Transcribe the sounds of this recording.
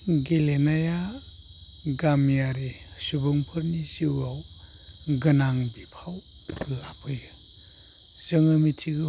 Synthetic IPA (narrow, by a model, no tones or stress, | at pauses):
ɡelenaja | ɡamjaɾisubuŋpʰɯɾnisiwaw | ɡɐnaŋbipʰaw | lapʰɯj | z̥ɯŋamitʰiɡɯ